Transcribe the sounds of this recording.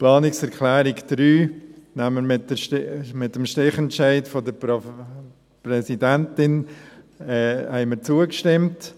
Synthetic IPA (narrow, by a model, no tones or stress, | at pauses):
plɑːnɪksɛɾkʰlɛːɾɪkd̥ɾyːnaməɾmɪtəmɪtːəmʃtɪχɛnt͡ʃaɪtfɔdəɾ | prɛsidɛntɪn | ɛːhɛɪməɾt͡suəkʃtɪmt